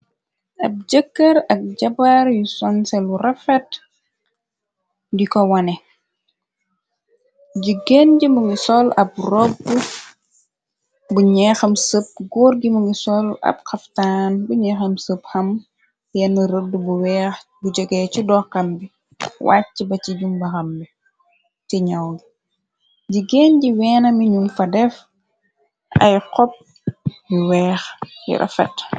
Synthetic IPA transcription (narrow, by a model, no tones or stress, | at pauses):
ɐb̚d͡ʒəkːɐɾɐk̚ɟɐbaɾjusɔnsɛlurɐfɛt | dikɔwɐnɛ | ɟiɡenɟimuŋɡisɔlɐb̚rɔbːu | buɲɛːxɐmsəp̚ɡoːɾɡimuŋɡisɔlɐ̰pxɐftaːnbuɲɛːxɐmsəphɐm | jɛnɐɾədːubuwɛːxbud͡ʒəɡɛːt͡ʃidɔːkɐmbi | wa̰t͡ʃːibɐt͡ʃiɟumbɐxɐmbi | tɛɲɐwɡi | ɟiɡɛnɟiwɛːnɐmiɲunfɐdɛf | ɐ̰jqɔp̚ | biwɛːxjḭɾʔɐ̰fɛt